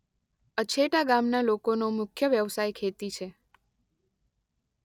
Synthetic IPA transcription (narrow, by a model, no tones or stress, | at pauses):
ət͡ʃʰeʈaɡamnalokonomʊkʰjəʋjəʋsajkʰet̪it͡ʃʰe